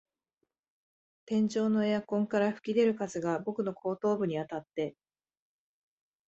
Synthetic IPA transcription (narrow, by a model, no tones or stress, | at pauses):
t̪ẽ̞ɲ̟d͡ʑo̞ːno̞eakõ̞ŋkaɾaɸɯ̟̥kʲid̪e̞ɾɯ̟kazɨɡabo̞kɯ̟no̞kʰo̞ːt̪o̞ːbɯ̟ɲ̟iat̪at̪ːe̞